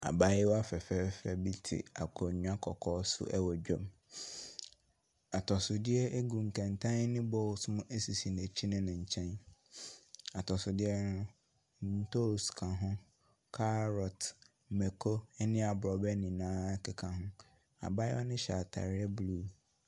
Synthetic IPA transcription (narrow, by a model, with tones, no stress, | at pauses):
a˨ba˦jɪ˦wɔ˦a˦fɛ˨fɛ˦fɛ˦˨bi˦tʰɪ̰˨a˨kʰɔ˨ɲũ˦ã˦kʰɔ˨kʰɔː˦sʊ̰˦ʔɛ˦wɔ˨d͡ʑᶣɔ˦m | a˨tʰɔ˨sʊ˨dɪ˦ɛ˦ʔe˦ɡũ˨ŋ̩˨kʰɛ̃˨n˨tʰã˦n˦nɪ̃˦bɔ˦lsmʊ̃˦ʔe˦si˨si˨ne˨t͡ɕʰi˦nɪ̃˦nɪ̃˨ɲ̩˨t͡ɕʰɛ̃˦n | a˨tʰɔ˨sʊ˨dɪ˦ɛ˦nʊ̃˦ | n̩˦tʰo˦skʰã˨ɦʊ̃˦ | kʰa˦ɾɔ˨t | mɛ˨kʰo˦ɛ˦nɪ̃˦a˨bɾɔ˨bɛ˦nĩ˨nãː˦kɪ˨kʰã˨ɦʊ̃˦ | a̰˨ba˦jɪ˦wɔ˦nɪ̃˦ɕa̰˨tʰa̰˨ɾɪ˦ɛ˦blu˦